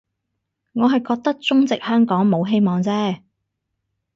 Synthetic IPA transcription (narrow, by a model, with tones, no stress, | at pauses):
ŋɔː˨˧ɦɐ˨jkɔː˧k̚t̪ɐ˥k̚t͡sʊ˥ŋt͡sɪ˨k̚hœː˥ŋkɔː˨˥ŋmo˨˧wɦe˥jmɔː˨˧ŋt͡sɛː˥